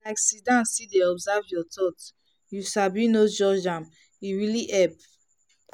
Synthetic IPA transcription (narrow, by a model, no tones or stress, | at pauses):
laɪksidãnsideɔbzavjɔtʰɔt | jusabĩnod͡ʒɔd͡ʒãm | iɹiliʔɛp